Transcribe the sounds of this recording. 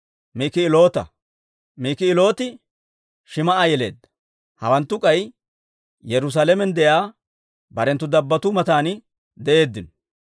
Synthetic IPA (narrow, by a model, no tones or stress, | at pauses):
mikɪɪlo̞ːt̪ɐ̰ | miːkɪɪlo̞ːt̪ɪ | ʃɪmɐʔajɛle̞̰ːd̪ːɐ̥ | hɐ̰wɐnt̪ːʊkʼɐj | jɛɾʊs̬aːlɛmɛnd̪ɛjaː | bɐɾɛnt̪ːʊd̪ɐbːɐt̪ʊmɐt̪aːnɪ | d̪ɛʔe̞ːd̪ːɪn